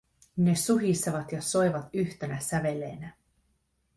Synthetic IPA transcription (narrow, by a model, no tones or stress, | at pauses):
ne̞suɦist̪ːɑʋɑt̪jɑso̞jʋɑt̪yçt̪e̞næsæʋe̞lːe̞ːnæ